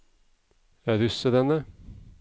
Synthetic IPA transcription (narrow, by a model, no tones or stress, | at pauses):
æːd̪ʉsəd̪ɛnə